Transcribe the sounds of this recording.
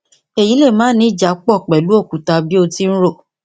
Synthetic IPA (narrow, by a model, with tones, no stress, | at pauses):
e˨ji˨˦le˦˨mãː˨˦nĩ˦˨d͡ʒa˨˦k͡pɔ˦˨k͡pɛ˨lu˨˦o˦˨ku˨ta˧bi˦o˧ti˦n̩˦ɾo˦˨